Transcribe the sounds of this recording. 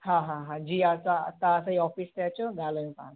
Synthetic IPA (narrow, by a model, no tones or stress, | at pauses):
ɦãɦãɦãd͡ʑiːat͡sat̪aːsaɦiɔfiːst̪jat͡ɕɔɡʱaləntã̰